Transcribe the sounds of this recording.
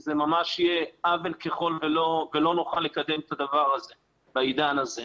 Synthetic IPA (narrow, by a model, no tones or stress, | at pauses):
zemamaʃjeʔavelkeχo̞lvelo̞velo̞nuχalːe̞kad̪e̞met̪ad̪avaʁaze | baid̪anaze